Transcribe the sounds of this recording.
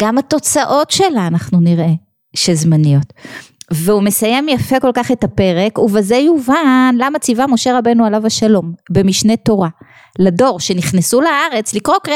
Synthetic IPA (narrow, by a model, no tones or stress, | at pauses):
ɡ̥amato̞t͡saʔo̞tʃe̞laːnaχnuniʁʔe̞ | ʃezmanijo̞tveume̞saje̞mjafe̞ko̞lkaχe̞tapeʁe̞kuvezejuvanlamat͡sivamo̞ʃe̞ʁabenualavaʃalo̞mbe̞miʃne̞to̞ʁa | lado̞ʁʃe̞niχnesulaaʁe̞t͡slikʁo̞kʁe